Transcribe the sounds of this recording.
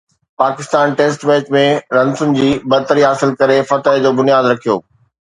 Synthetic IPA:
paːkɪst̪aːnʈeːsʈʋeːt͡ɕmẽɾɐ̃nsʊnɪ̆d͡ʑiːbɐɾt̪əɾiɦaːsɪlkɐɾefɐt̪ed͡ʑoːbʊnijaːd̪ɾɐkʰijo̰ː

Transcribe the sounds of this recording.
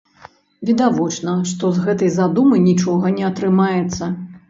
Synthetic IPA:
vʲid̪avɔt͡ʂnɐʂt̪ɔzɣɛt̪ɐjzad̪umɨnʲit͡ʂɔɣɐnʲɛɐt̪ɾɨmajɛt̪sːɐ

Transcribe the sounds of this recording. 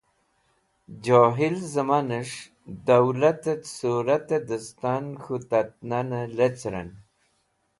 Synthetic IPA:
d͡ʑoːɦilzəmanəʂ | d̪awlat̪esuɾat̪ed̪əst̪anxut̪at̪̚nanəlet͡sɾa̰n

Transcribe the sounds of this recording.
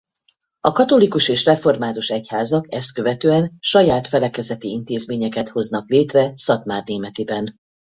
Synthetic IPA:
ɒkɒt̪o̞likuʃeːʃrɛfo̞rmaːt̪uʃɛchaːzɒkɛst̪̚kø̞vɛt̪øːɛnʃɒjaːt̪fɛlɛkɛzɛt̪iint̪eːzmeːɲɛkɛt̪ho̞znɒkleːt̪rɛsɒt̪maːrneːmɛt̪ibɛn

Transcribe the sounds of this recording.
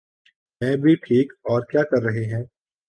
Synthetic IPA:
mɛ̃ːbʱiʈʰiːkɔːɾkjaːkɐɾːɐɦeɦɛ̃ː

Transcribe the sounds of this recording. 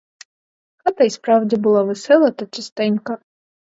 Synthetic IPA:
xɑt̪ɐjspɾɑwdʲibʊlˠɑʋɪsɛlˠɐt̪ɐt͡ʃɐst̪ɛnʲkɐ

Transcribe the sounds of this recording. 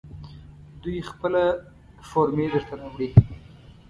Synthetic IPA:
d̪ujxpəla | foɾmed̪əɾt̪anawɽi

